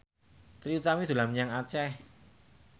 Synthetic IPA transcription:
t̪ɾiut̪amid̪̥ṳlamɲaŋat͡ʃɛh

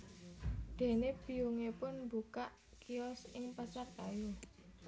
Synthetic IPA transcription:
d̪̥e̤nebiuŋepʊnmbukaʔ | kiɔsɪŋpasarkaju

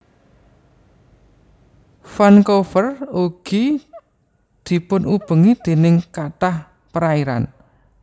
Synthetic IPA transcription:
fankofəruɡ̥i | d̪̥i̤pʊnub̥ə̤ŋid̪̥e̤nɪŋkat̪ah | pəɾaiɾa̰n

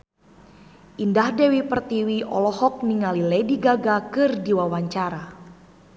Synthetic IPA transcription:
ʔindahdɛwipərt̪iwiʔɔ̰lɔhɔk̚niŋalilɛdiɡaɡakɨrdiwawaɲt͡ʃaɾa

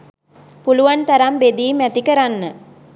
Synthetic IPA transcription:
puluʋant̪ɐɾambed̪iːmɛt̪ikəɾanːə

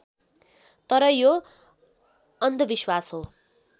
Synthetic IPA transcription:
t̪ʌɾʌjo | ʌnd̪ʱʌbiswasɦo

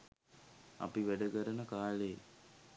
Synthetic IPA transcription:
a̰piʋæɖəkəɾənəkaːleː

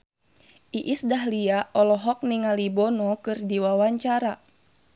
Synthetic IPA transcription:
ʔiʔisdaɦliaʔɔlɔɦɔk̚niŋalibɔnɔkɨrdiwawaɲt͡ʃaɾa

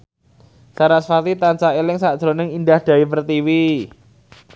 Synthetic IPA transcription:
saɾasfat̪it̪ant͡ʃaelɪŋsaʔd̥ʒ̥ɾo̤nɪŋind̪ahd̪̥ä̤ipərt̪iwi

